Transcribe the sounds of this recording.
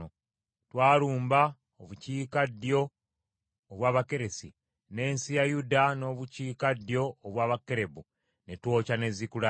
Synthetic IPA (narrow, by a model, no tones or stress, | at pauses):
o | twaːluːmba | oβuciːkadjo̞ː | βwaːβake̞ɾe̞si | ne̞ːnsijajudano̞ːβuciːkadjo̞ːβwaːβakːe̞ɾe̞bu | ne̞two̞ːcane̞zikula